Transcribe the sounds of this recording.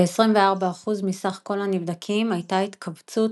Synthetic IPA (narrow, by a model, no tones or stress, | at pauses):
eesʁimveaʁbaːχuzmisaχko̞lhanivd̪akʰimajtait̪kʰavt͡sut